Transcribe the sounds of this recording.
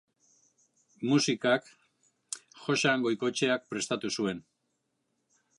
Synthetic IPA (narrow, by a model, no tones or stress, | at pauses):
musikak | xo̞ʃaŋɡo̞jko̞t͡ʃe̞ak̚pɾe̞st̪at̪usue̞n